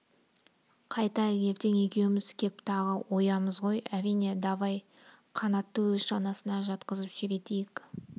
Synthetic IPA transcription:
qʰɑjt̪ɑɡʲe̞pt̪eŋe̞kʲe̞wɪmɪzkʲʰe̞p̚t̪ʰɑʁəwo̞jɑməzʁo̞jæɾijne̞d̪ɑvɑj | qʰɑnɑt̪ːəwɵzʃɑnɑsənɑʒɑt̪qəzəpʒebe̞t̪ejɪk

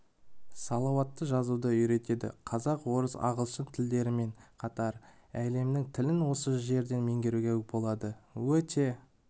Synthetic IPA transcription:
sɑlˠɑwɑt̪ːəʒɑzud̪əʏjɾe̞t̪e̞d̪ɪ̰qʰɑzɑqwo̞ɾəsɑ̰ʁəlˠʃənt̪ʰɪld̪e̞ɾɪme̞ɴqʰɑt̪ɑɾ | æle̞mnɪŋt̪ʰɪlɪnwo̞səʒe̞ɾd̪e̞nme̞ŋɡʲe̞ɾuɡʲewɪk̚bo̞lˠɑd̪əwɵt̪e̞

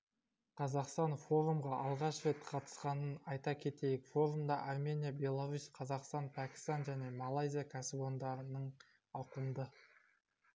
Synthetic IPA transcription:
qʰɑzɑqst̪ɑnfo̞ɾumʁɑʔɑlˠʁɑʃve̞t̪qʰɑt̪ə̥sqɑnənɑjt̪ɑkʲʰe̞t̪e̞jɪkfo̞ɾumd̪ɑʔaɾme̞nʲijabʲe̞lˠaɾusʲqʰɑzɑqst̪ɑnpʰækʲɪ̥st̪ɑnʒæne̞malˠajzʲijakʲʰæsɪbo̞nd̪ɑɾənəɴ | ɑqəmd̪ə

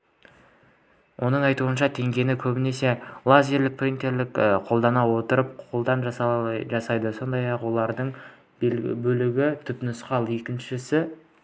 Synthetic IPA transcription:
wʔo̞nəɴɑjt̪uənʃɑt̪ʰe̞ŋɡʲe̞nɪkʲʰɵbɪne̞se̞lˠazʲeɾlɪk̚prʲint̪e̞ɾlɪkqʰo̞lˠd̪ɑnɑwo̞t̪əɾəp̚qʰo̞lˠd̪ɑnʒɑɑʒɑsɑjd̪əso̞nd̪ɑjɑqwo̞lˠɑɾd̪əɴ | bɵlɪɡʲɪt̪ʰʏpnʊsqɑlˠje̞kʲɪnʃɪsɪ

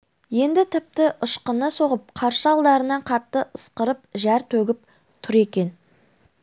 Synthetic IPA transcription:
je̞nd̪ɪt̪ʰɪp̚t̪ɪʔəʃqənəso̞ʁəp̚qʰɑɾʃəɑlˠd̪ɑɾənɑɴqʰɑt̪ːəʔəsqəɾəp̚ʒæɾt̪ʰɵɡʲɪp̚ | t̪ʰʊɾe̞kʲe̞n

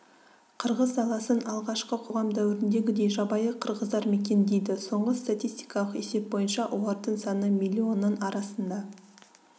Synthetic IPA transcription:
qʰəɾʁəzd̪ɑlˠɑsənɑlˠʁɑʃqəqʰo̞ʁɑmd̪æwɪɾɪnd̪e̞ɡʲɪd̪e̞jʒɑbɑjəqʰəɾʁəzd̪ɑɾme̞k̬ʲe̞nd̪e̞jd̪ɪso̞ɴʁəst̪at̪ijst̪i̥jkɑlˠəqe̞se̞p̚bo̞jənʃɑʔowɑɾt̪əɴsɑnəmilʲːio̞nːənɑɾɑsənd̪ɑ

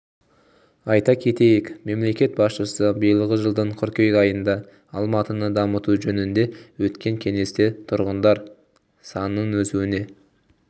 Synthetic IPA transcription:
ɑjt̪ɑkʲʰe̞t̪e̞jɪkme̞mle̞kʲe̞t̪̚bɑsʃəsəbəjəlˠʁəʒəlˠd̪əɴqʰʏɾkʲejkɑjənd̪ɑ | ɑlˠmɑt̪ənəd̪ɑmət̪uʒɵnɪnd̪e̞wɵt̪kʲe̞ŋkʲʰe̞ŋe̞st̪e̞t̪ʰʊɾʁənd̪ɑɾ | sɑnːənwɵzuwɪne̞

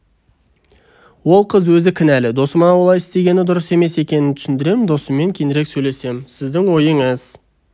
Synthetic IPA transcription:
wo̞lˠqʰəzwɵzɪkʲʰɪnælɪd̪o̞səmɑwolˠɑjɪst̪e̞ɡʲe̞nɪd̪ʊɾəse̞me̞se̞kʲe̞nɪnt̪ʰʏsʏnd̪ɪɾe̞mɪnd̪o̞səme̞ŋkʲʰe̞nd̪ɪɾe̞ksɵjle̞se̞msɪzd̪ɪŋwo̞jəɴəz̥

